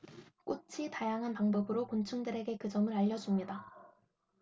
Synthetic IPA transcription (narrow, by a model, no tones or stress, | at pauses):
k͈ot͡ɕʰitajaŋɦanpaŋbʌbɯɾokont͡ɕʰuŋdɯɾe̞ɡe̞kɯd͡ʑʌmɯɾaʎːʌd͡ʑumɲida